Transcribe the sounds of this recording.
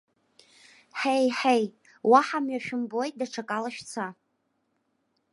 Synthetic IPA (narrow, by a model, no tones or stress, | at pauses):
ħejħej | waħamɥaʃᶣʊmbojt̚ʼdaʈ͡ʂʰakʼalaʃᶣt͡sʰa